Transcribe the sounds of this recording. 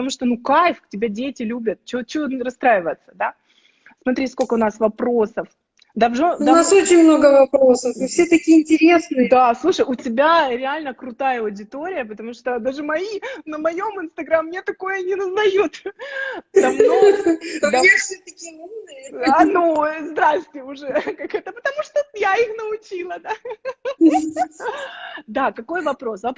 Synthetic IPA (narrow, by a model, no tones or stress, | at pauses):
pət̪ɐmuʂt̪onukajfktʲɪbʲadʲetʲɪlʲubʲət̪̚t͡ɕot͡ɕɪvorɐst̪ɾajɪvəjɪt̪sə̥d̪a | smɐt̪ɾʲiskolʲkəʊnasvɐpɾo̞səf | d̪avʐonaso̞t͡ɕɪnʲmno̞ɡəvɐpɾo̞səfɨfsʲet̪ɐkʲiəɪnʲtʲɪɾʲesnɨd̪aslˠuʂəjʊtʲɪbʲaɾʲɪalʲnəkɾʊt̪ajəɐʊdʲɪt̪o̞ɾʲɪjəpət̪ɐmuʂt̪od̪aʐɨmɐinəmɐjo̞mɨnst̪ɐɡɾamːnʲet̪ɐko̞jənʲɪnəzd̪ɐjut̪ | t̪ɐmo | d̪asʲot̪ɐkʲin | ɐnuzd̪ɾastʲɪʊʐɛkakɛt̪əpət̪ɐmuʂt̪ojaixnəʊt͡ɕilˠəd̪a | d̪akɐko̞jvɐpɾo̞svɐp